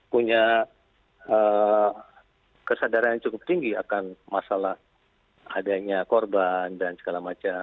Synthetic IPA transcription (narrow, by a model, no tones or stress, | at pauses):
puɲa | ə | kəsadaɾanjat͡ʃukʊp̚t̪iŋɡiakanmasalah | adaɲakɔrbandansə̥ɡalamat͡ʃa